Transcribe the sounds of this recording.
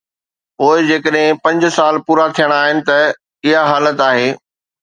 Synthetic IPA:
poːɪd͡ʑeːkəɗɦɪ̃pɐ̃ɲd͡ʑsaːlpuːɾat̪ʰijəɽ̃aːɦɪnɪ̆t̪ɐ | ɪɦaɦaːlət̪aːɦeː

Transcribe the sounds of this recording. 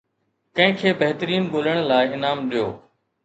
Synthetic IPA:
kɐ̃ɦɪ̃kʰeːbɐɦt̪əɾiːnɓoːləɽ̃laːɪɦɪnaːmɗijo̰ː

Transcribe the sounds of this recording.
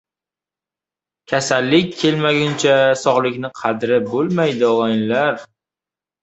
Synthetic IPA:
kʲʰasalːɪkʲʰːe̞lmaɡʲant͡ʃʰasɒʁlˠɪkʲnɪqʰɑd̪ɾɪbolˠmajd̪ɪɒlajɪnlaɾ

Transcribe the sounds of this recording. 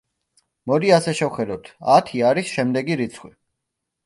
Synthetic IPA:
mɔd̪iasɛʃɛvχɛd̪ɔt̪ʰat̪ʰiaɾisʃɛmd̪ɛɡiɾit̪sʰχwḭ

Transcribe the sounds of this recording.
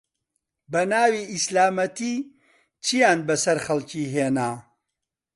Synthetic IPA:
bɐnaːwiːʔislaːmɐt̪iː | t͡ʃʰijaːnbɐsɐɾχɐlˠciːɦeːnaː

